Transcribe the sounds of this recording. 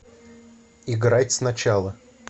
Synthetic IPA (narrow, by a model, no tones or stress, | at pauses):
ɪɡɾatʲsnɐt͡ɕalˠə